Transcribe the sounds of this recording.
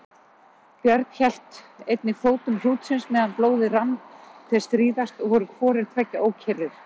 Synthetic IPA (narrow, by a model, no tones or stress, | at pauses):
pjœɾt̪çɛl̥t̪ejt̪nɪfoːwt̪ʏml̥uːt̪sɪnsmɛːðanploːwðɪranθʰɛ̥st̪ɾiːðast̪ɔɣhɔɾʏkʰvɔːɾɪɾ̥t̪ʰvɛcːaʔoːwcʰɛrɪɾ̥